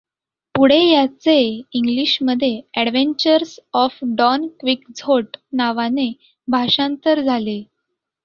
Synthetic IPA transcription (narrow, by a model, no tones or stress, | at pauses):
puɽ̤ejat͡seiŋɡliɕməd̪ʱːjeɛɽʋeɲt͡ɕəɾsɔfɖɔnkʋikd͡zʱoʈnaʋane | bʱaɕãnt̪əɾd͡zʱale